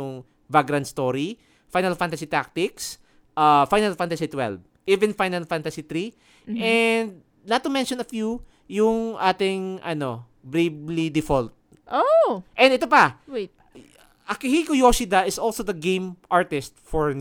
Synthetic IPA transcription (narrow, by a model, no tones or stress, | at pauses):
ʊŋ | vaɡɾɐ̃nst̪oɾi | fajnɐlfant̪ɐsit̪ak̚t̪ɪks | ʔɐfajnɐlfãnt̪ɐsit̪wɛ̰lv | ʔivɛ̃nfajnɐlfãnt̪ɐsit̪ɾi | ɛnd̪̚ | nɐt̪ːʊmɛ̃nʃɔ̃nɐfju | jʊŋʔaːt̪ɪŋʔɐno | bɾeblid̪ɪfolt̪̚ | ʔoʔɛ̃nɛt̪opɐ | ʔɐkɪhikojosid̪ɐʔɪsolsod̪ɐɡẽjmʔaɹt̪ɪst̪̚fɔɹ